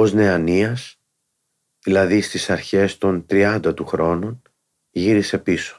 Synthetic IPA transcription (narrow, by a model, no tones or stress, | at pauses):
o̞zne̞ɐniɐs | ðilɐðist̪isɐɾçe̞st̪o̞nt̪ɾiɐnd̪ɐt̪uxɾo̞no̞n | ʝiɾise̞piso̥